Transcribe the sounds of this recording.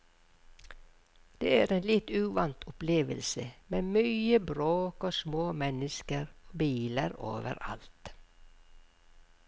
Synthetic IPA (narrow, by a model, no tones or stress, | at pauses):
d̪̥eːæːɾeːnlɪt̪ʉːʋɑnt̪ʰʊpleːʋəlsəmeːmyːəbɾoːkoːsmoːmɛnəskəɾoːbiːləɾo̰ːʋə̰ɾɑ̰lt̪